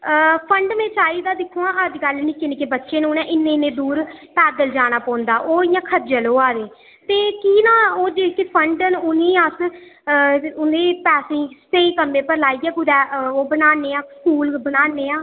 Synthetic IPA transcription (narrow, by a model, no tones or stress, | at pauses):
pʰəɳɖmẽːt͡ʃaːiːd̪aːd̪ɪkʰːũːãːəd͡ʒɡəlnɪːkɪniːkeːbətːʃeːnũːnɛ̃ːʔɪnːẽːnẽːd̪uːɾpɛːd̪əld͡ʒaːɽ̃aːpɔ̃ːnd̪aːʔoːɪjãːkʰəd͡ʒəloːaːɾeː | t̪eːkiːnãːoːd͡ʒekepʰəɳɖənʊnĩːəs | ʊnd̪eːpɛːsẽːseiːkəmːẽːpəɾlaːiːɛːɡʊɾɛːoːbənaːneːãːskuːlbənaːnːeːãː